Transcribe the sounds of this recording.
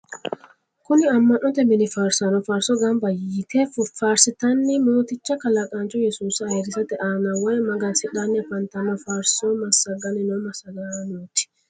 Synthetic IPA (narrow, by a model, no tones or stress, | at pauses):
kʊnɪɐmːɐnʔɔt̪ɛmɪnɪfaːɾsɐnɔfaːɾsɔɡɐmbɐjt̪ɛfʊfaːɾsɪt̪ɐnːɪmo̞ːt̪ɪt͡ʃːɐkɐlɐkʼant͡ʃːɔjɛsuːsɐːɛɾɪsɐt̪ɛʔaːnɐwɐjɛmɐɡɐnsɪᶑanːɪɐfɐnt̪ɐmɐfaːɾsɔmɐsɐɡɐnɪnɔmɐsɐɡanoːt̪ɪ̥